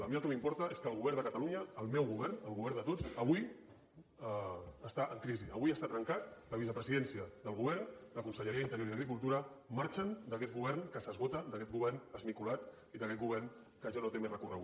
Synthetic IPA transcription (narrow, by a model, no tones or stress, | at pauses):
ləmiəlˠkɛmimpɔɾt̪əʔeskəːlˠɣuβɛɾnd̪əkət̪aluɲəːlˠmɛwɣuβɛɾnəlˠɣuβɛɾnd̪ət̪od͡zəβ̞uj | əst̪aʔəŋkɾiziəβujəst̪at̪ɾəŋkat̪̚ləβisəpɾəziðɛnsiəðəlˠɣuβɛrnləkunsəʎəɾiəint̪əɾjoɾiðəɣɾik̬ulˠt̪uɾəmaɾt͡ʃənd̪əkɛt̪̚ɣuβɛɾnkəsəzɣot̪əd̪əkɛt̪̚ɡuβɛrnəzmikulat̪ | iðəkɛt̪̚ɡuβ̞ɛɾn | kəʒanot̪emezrəkurəɣu